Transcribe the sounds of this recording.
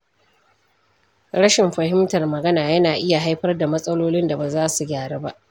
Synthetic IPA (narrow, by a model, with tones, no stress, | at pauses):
ɽɐ˦ʃɪ˨mɸɐ˨ɦɪ˦mtɐ˨rmɐ˨ɡɐ˦naː˨jɐ˦naː˨ʔɪ˦ja˨ɦa˦jɸɐ˦rda˨mɐ˦sʼɐ˦loː˦lɪ˦nda˨ba˨zaː˦su˨ɡʲaː˨ɽeː˦ba˦ʔ